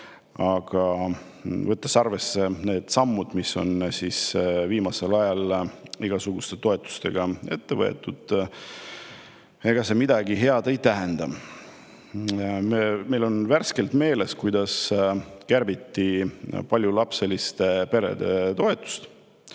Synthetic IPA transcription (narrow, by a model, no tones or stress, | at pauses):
ɑɡ̥ɑ | vɤt̪ːˑɑsɑrve̞sːe̞ne̞ːd̪̥sɑmːud̪̥misːo̞̰nsisviːmɑse̞lɑjɑliɡ̥ɑsuɡ̥ust̪e̞t̪o̞e̞t̪ːˑu̥st̪e̞ɡ̥ɑe̞t̪ːe̞vɤ̰ḛt̪ːud̪̥ | e̞ɡ̥ɑse̞mid̪̥ɑɡiɦe̞ɑd̪̥e̞jt̪æɦend̪̥ɑ | meme̞jlo̞nværske̞lt̪me̞ːle̞skujd̪̥ɑskærbit̪ːipɑlʲjulɑpse̞list̪epe̞ɾe̞̰d̪̥e̞t̪o̞e̞t̪ːˑu̥st̪